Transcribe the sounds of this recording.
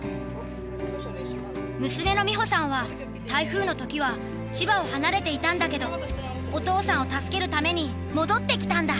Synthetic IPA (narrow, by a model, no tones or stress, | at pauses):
mɯ̟sɨme̞no̞mʲiɦo̞sãɰ̃βa | t̪aiɸɯ̟ːno̞t̪o̞kʲiβ̞a | t͡ɕibao̞hanaɾe̞t̪e̞it̪ãnd̪ake̞d̪o̞ | ot̪o̞ːsãɰ̃o̞t̪asɨ̥ke̞ɾɯ̟t̪ame̞ɲ̟i | mo̞d̪o̞t̪ːe̞kʲi̥t̪ãnd̪a